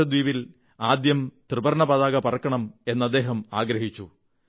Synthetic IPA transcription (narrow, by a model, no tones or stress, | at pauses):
ɐd̪ʋiːʋil | aːd̪jɐmt̪rɨbɐɾɳɐpɐðaːɣɐpɐrɐkːɐɳɐme̞nːɐd̪ːe̞ːɦɐmaːɡɾɐɦit͡ɕːu